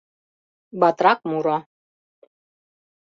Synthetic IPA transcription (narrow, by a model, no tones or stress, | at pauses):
bɑt̪ɾɑk̚muɾɑ